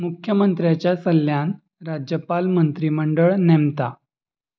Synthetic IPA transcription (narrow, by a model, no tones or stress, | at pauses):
mukʰjəmənt̪ɾjat͡ɕjasəlːjan | ɾad͡ʑjəpalmənt̪ɾiməɳɖəɭnemt̪a